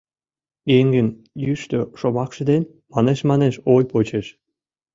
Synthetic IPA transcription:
eŋɡən | jyʃt̪øʃomɑkʃə̆d̪en | mɑneʃmɑneʃojpot͡ɕeʃ

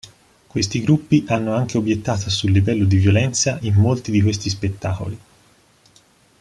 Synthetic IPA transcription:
kwest̪iɡɾupːiʔanːoaŋk̟eobjet̪ːaːt̪ʰosulːivɛlːod̪ivjolɛnt̪saʔimːolt̪id̪ikwest̪ispet̪ːaːko̰li

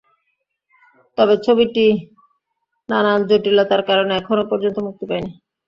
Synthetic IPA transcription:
t̪ɔbet͡ɕʰobiʈi | nanand͡ʑoʈilat̪aɾkaɾoneɛkʰonopɔɾd͡ʑont̪omuk̚t̪opajni

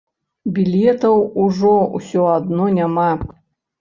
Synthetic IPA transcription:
bʲilʲɛt̪ɐwuʐɔṵsʲɔad̪nɔnʲama

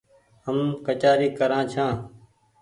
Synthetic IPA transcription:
ɦəmkət͡ʃaːɾiːkəɾãːt͡ʃʰãː

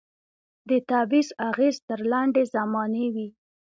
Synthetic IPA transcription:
d̪ət̪abizaɣezt̪əɾlaɳɖezamɑnewi

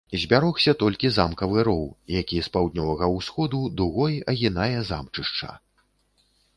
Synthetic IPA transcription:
zʲbʲaɾɔxsʲɐt̪ɔlʲkʲizamkɐvɨɾɔwjakʲispawd̪ʲnʲɔvɐɣɐwsxɔd̪ud̪uɣɔjɐɣʲinajɛza̰mt͡ʂɨʂt͡ʂa̰

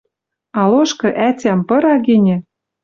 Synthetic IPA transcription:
ɑloʃkɤ̆ʔætʲæmpɤ̆ɾɑɡenʲɘ̆

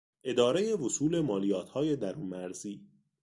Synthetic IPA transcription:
ʔe̞d̪ɒːɾeje̞vosuːle̞mɒːlijɒːt̪ʰhɒːje̞d̪æɾuːnmæɾziː

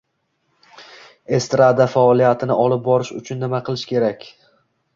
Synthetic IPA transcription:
e̞st̪ɾad̪afaɒlˠijat̪ʰɪnɪɒlˠɪp̚bɒɾɪʃʊt͡ʃʰʊnːɪmaqʰɨlˠɪʃkʲʰe̞ɾakʲ

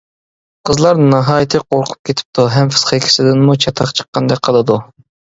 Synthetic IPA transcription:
qʰəzlˠɑɾnɑɦɑːjɪt̪ʰɨqʰoɾqʰʊ̥p̚kʲʰet̪ʰɪ̥p̚t̪ʰuɦɛmfɨ̥sχekʲʰɪ̥sɪd̪ɪnmut͡ʃʰɑt̪ʰɑχt͡ʃʰə̥qːɑnd̪ɛk̚ʲqʰəlˠɨd̪u

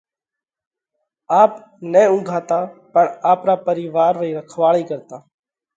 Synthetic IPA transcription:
aːp | nẽːʊ̃ŋɡʱaːt̪aːpəɳaːpɾaːpəɾiːʋaːɾːiːɾəkʰʋaːɭiːkəɾt̪aː

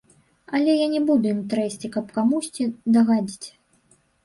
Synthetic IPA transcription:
ɐlʲɛjanʲɛbud̪ujimt̪ɾɛsʲt͡sʲikɐpkamusʲt͡sʲid̪aɣad͡zʲit͡sʲ

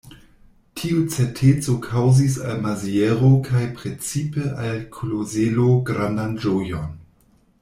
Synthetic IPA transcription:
tʰiut͡setʰet͡sokʰawzis̬a̰lmazieɾokʰajpɾet͡sipeʔalkʰolozeloɡɾandand͡ʒojon

